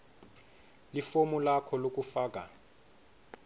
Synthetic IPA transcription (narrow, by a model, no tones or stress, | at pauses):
lifomulakʰɔlok̬ʼufaːk̬ʼa